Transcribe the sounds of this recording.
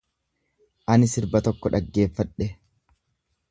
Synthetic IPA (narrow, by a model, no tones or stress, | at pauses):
ʔɐnɪsɪɾbɐt̪ɔkːɔᶑɐɡːe̞ːfːɐᶑɛ